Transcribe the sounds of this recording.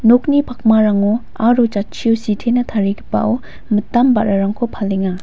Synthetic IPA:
nok̚nipʰak̚maɾaŋo | aɾot͡ʃat͡ʃʰiusitʰenɐt̪ʰaɾikʰipːa̰ʔo | mɯtamba̰ɾaɾaŋkʰopʰalːiŋa

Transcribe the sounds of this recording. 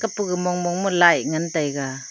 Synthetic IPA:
kapuɡɯmɔŋmɔŋmɔlajŋantajɡa

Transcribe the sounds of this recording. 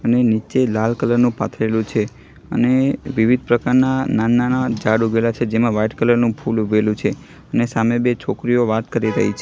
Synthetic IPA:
ənenit͡ʃelalkələɾnũpa̰t̪ʰelũt͡ʃʰe | ə̰neʋiʋid̪̚ʱpɾəkaɾnananːanad͡ʒaɽuɡelat͡ʃʰed͡ʒemãʋajʈkələɾnũpʰuluʋelũt͡ʃʰe | ənesamebet͡ʃʰokɾioʋat̪kəɾiɾə̰ɦit͡ʃʰe

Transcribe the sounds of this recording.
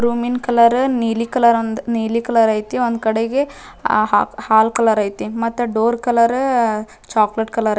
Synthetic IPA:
ɾuːminkɐlɐɾniːlikɐlɐɾɐnd̪niːlikɐlɐɾɐjt̪iond̪kɐɽeɡe | haːlkɐlɐɾɐjt̪imɐt̪ːuɖoːɾkɐlɐɾ | t͡ʃaːkleʈkɐlɐɾɐ

